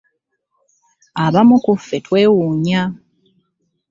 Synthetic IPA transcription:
aβamukufːe̞twe̞ːwuːɲa

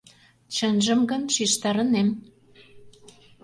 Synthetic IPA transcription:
t͡ɕənʒə̆mɡə̆nʃiʃt̪ɑɾə̆nem

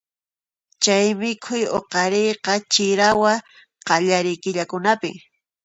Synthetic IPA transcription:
t͡ʃajmɪkʰʊjoqɑɾejqɑt͡ʃɪɾawa | qɑʎaɾɪjkɪʎakʊnapɪ̰

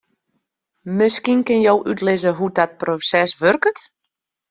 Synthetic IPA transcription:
mɪskinkɪnjowʔytlɪzəɦudɔt̚prosɛsʋørkət

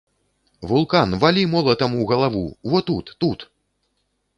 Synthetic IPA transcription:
vulˠkanvalʲimɔlˠɐt̪ɐmuwɣɐlˠavṵvɔt̪ut̪ːut̪

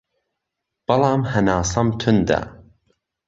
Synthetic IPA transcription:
b̥ɐlˠɑːmhɐnɑːsɐmt̪ʰʊnd̪ɐ̰

